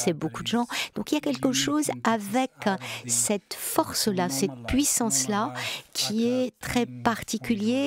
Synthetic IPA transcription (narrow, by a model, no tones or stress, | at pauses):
sɛbokud̪əʒɑ̃d̪̥ɔ̃kiljakʲɛlkəʃozavɛksɛt̪fɔʁslasɛt̪̚pɥisɑ̃slakʲʰiɛt̪χɛpaʁt̪ikʲylje